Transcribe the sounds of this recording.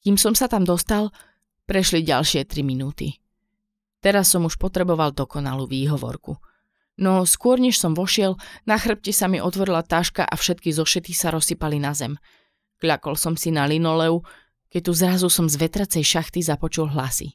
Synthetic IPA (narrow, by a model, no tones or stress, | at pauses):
kiːmsɔmsat̪amd̪ɔst̪al | pɾɛʃliɟa̰lʃɪɛt̪ɾiminuːt̪ḭ | t̪ɛɾasːɔmuʃpɔt̪ɾɛbɔʋald̪ɔkɔna̰luːʋiːɦɔʋɔ̰ɾkṵ | nɔskʊɔɾɲɛʃsɔmʋɔʃɪɛlnaxr̩p̚cɛsamiʔɔt̪ʋɔɾilat̪aːʃka̰ʔafʃɛt̪kizɔʃɛt̪kisaɾɔsipalinazɛm | kʎakɔlsɔmsinalinɔlɛu | kɛc̚t̪uzɾazusɔmzʋɛt̪ɾat͡sɛjʃaxt̪izapɔt͡ʃulɦlasḭ